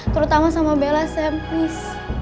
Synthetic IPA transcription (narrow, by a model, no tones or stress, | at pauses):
t̪əɾut̪amasamabelasɛmpis